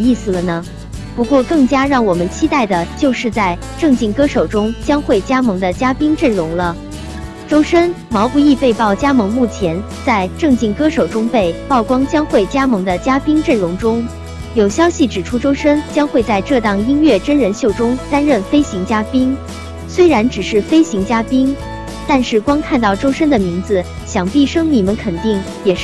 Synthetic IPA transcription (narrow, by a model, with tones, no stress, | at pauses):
i˥˩sɹ̩˨˩lə˩nə˩ | pu˧˥kwɔ˥˧kɤ˥˩ŋt͡ɕja˥ɻɑ˥˩ŋwɔ˨˩mə˦nt͡ɕʰi˥t̪a˥˩ɪd̪ə˩t͡ɕjo˥˧ʊʂɻ̩˥˧t͡sa˥˧ɪ | ʈ͡ʂɤ˥˧ŋt͡ɕi˥˩ŋkɤ˥ʂo˨˩ʊʈ͡ʂʊ˥ŋt͡ɕjɑ˥ŋxwe˥˩ɪt͡ɕja˥mɤ˧˥ŋd̪ə˧t͡ɕja˥pi˥ŋʈ͡ʂə˥˩ɻʊ˧˥ŋlə˧ | ʈ͡ʂo˥ʊʂə˥n | mɑ˧˥ʊpu˧i˥˧pe˥˧ɪpɑ˥˩ʊt͡ɕja˥mɤ˧˥ŋmu˥˩t͡ɕʰjɛ˧˥n | t͡sa˥˧ɪʈ͡ʂɤ˥˧ŋt͡ɕi˥˩ŋkɤ˥ʂo˨˩ʊʈ͡ʂʊ˥ŋpe˥˩ɪpɑ˥˩ʊkwɑ˥ŋt͡ɕjɑ˥ŋxwe˥˩ɪt͡ɕja˥mɤ˧˥ŋd̪ə˧t͡ɕja˥pi˥ŋʈ͡ʂə˥˩nɻʊ˧˥ŋʈ͡ʂʊ˥ŋ | jo˨˩ʊɕjɑ˥ʊɕi˨˩ʈ͡ʂɻ̩˨˩ʈ͡ʂʰu˥ʈ͡ʂo˥ʊʂə˥nt͡ɕjɑ˥ŋxwe˥˧ɪt͡sa˥˧ɪʈ͡ʂɤ˥˧t̪ɑ˥˩ŋi˥nɥɛ˥˩ʈ͡ʂə˥nɻə˧˥nɕjo˥˩ʊʈ͡ʂʊ˥ŋt̪a˥nɻə˥˩nfe˥ɪɕi˧˥ŋt͡ɕja˥pi˥ŋ | swe˥ɪɻa˧˥nʈ͡ʂɻ̩˨˩ʂɻ̩˥˩fe˥ɪɕi˧˥ŋt͡ɕja˥pi˥ŋ | t̪a˥˧nʂɻ̩˥˩kwɑ˥ŋkʰa˥˧nt̪ɑ˥˩ʊʈ͡ʂo˥ʊʂə˥nd̪ə˨mi˧˥ŋd͡zɹ̩˧ | ɕjɑ˨˩ŋpi˥˩ʂɤ˥ŋni˨˩mə˧˦nkʰə˨˩nt̪i˥˩ŋ | jɛ˨˩˥